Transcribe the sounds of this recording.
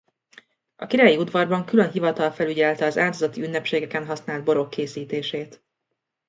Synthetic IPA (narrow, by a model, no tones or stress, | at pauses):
ʔɒkiɾaːjiud̪vɒrbɒŋkylø̞nɦivɒt̪ɒlfɛlyɟɛlt̪ɛɒzaːd̪ozɒt̪iynːɛpʃeːɡɛkɛnɦɒsnaːld̪̚bo̞ɾo̞kːeːsiːt̪eːʃeːt̪